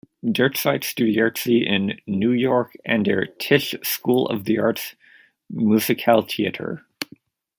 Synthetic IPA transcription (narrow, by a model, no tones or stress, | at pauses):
dɜ˞tsaɪtstʉɾiɑɹtsiʔɪ̃nːʉjɔɹkʔɨ̃nə̰˞tʰɪʃskulˠʌ̰vðiɑɹts | mʉzɨkʰælˠt̪ʰiɨ̰ɾə̰˞